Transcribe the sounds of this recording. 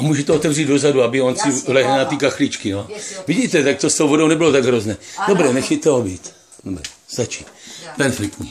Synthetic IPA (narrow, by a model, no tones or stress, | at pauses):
amuːʒɛt̪ɛot̪ɛvriːd̪dozaduabɪonsɪlɛɦlnat̪iːkaxlit͡ʃkɪnoviɟiːt̪ɛt̪ak̚t̪ost̪owvodownɛbɪlot̪aɡɦɾoznɛːd̥obɾɛnɛxɛt̪ɛɦobiːt̪ | dobɾɛ̰sat͡ʃi̥t̪pɛnflɪk̚t̪ɲḭː